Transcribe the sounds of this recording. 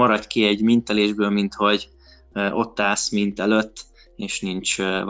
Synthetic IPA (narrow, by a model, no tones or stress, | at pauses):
ɒɾɒt̪kiɛɟmint̪ɛleːʒbøːlmint̪ho̞ɟ | ʔo̞t̪ːaːsmint̪ɛløt̪ː | eːʃnint͡ʃ